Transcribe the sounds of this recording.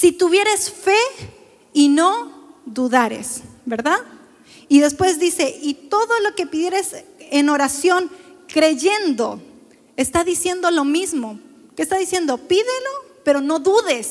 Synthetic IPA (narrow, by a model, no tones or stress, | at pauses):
sit̪uβje̞ɾe̞sfe̞ | ino̞ðuðaɾe̞̰sbe̞ɾðað | iðe̞spwe̞zðise̞ʔit̪o̞ðo̞loke̞piðje̞ɾe̞seno̞ɾasjo̞ŋkɾe̞ʝe̞nd̪o̞̰ | est̪aðisje̞nd̪o̞lo̞mizmo̞ | kest̪aðisje̞nd̪o̞piðelo̞pe̞ɾo̞no̞ðuðe̞s